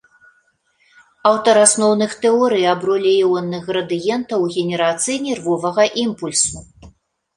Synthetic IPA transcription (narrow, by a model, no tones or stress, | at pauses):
awt̪ɐɾasnɔwnɨxt̪ɛɔɾɨjabɾɔlʲɛjɛwɐnːɛɣɾɐd̪ɨjɛnt̪ɐwɣʲɛnʲɛɾat̪sɨjnʲɛrvɔvɐɣɐʔimpulʲsu